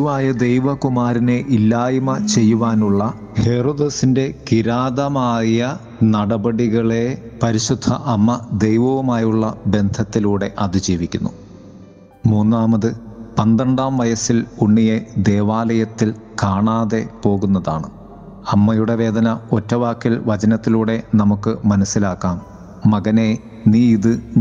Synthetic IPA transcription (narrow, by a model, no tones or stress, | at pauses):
uʋaːjɐd̪e̞jʋɐkumaːɾine̞ʔilːaːjimɐt͡ɕe̞jːuʋaːnuɭːɐ | he̞roːd̪esinde̞kiɾaːðɐmaːjɐ | nɐɽɐbɐɽiɣɐɭe̞pɐɾiɕud̪ʱːɐ̰ʔɐmːɐd̪ejʋɐʋumaːjuɭːɐbe̞nd̪ʱɐt̪ːiluːɽe̞ʔɐðɨd͡ʑiːʋikʲːunːu | muːnːaːmɐðɨpɐnd̪ɐɳɖaːmʋɐjɐsiluɳːije̞d̪e̞ːʋaːlɐjɐt̪ːil | kaːɳaːðe̞po̞ːɣunːɐðaːɳɨ | ɐmːɐjuɽe̞ʋe̞ːd̪ɐnɐotːɐʋaːkːilʋɐt͡ɕɐnɐt̪ːiluːɽe̞nɐmukːɨmɐnɐsːilaːkːaːmː | ɐɣɐne̞ | niːiðɨ